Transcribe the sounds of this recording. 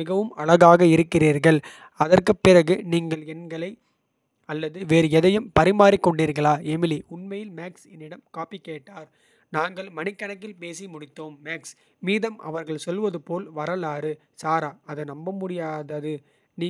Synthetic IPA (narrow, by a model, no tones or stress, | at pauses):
ɪɣɐʋɯmɐɭɐɣaːɣɐɪɾɯkːɪriːɾɣɐɭ | ɐðɐrkɯpːɪrɐɣɯniːŋɡɐɭɛnɡɐɭɐɪ | ɐlːɐðɯʋeːɾɛðɐjɯmpɐɾɪmaːɾɪkːɔɳɖiːɾɣɐɭaːɛmɪliʊɳmɐjɪlmaːksɛnːɪɽɐmkaːpikːeːʈːaːɾ | naːŋɡɐɭmɐnɪkːɐɳɐkːɪlpeːsimʊɽɪt̪ːoːmːeːks | miːðɐmɐ̰ʋɐɾɣɐɭsɔlːʋɐðɯpoːlʋɐɾɐlaːɾɯ | saːɾaːɐðɯnɐmbɐmʊɽɪjaːðɐðɯ | niː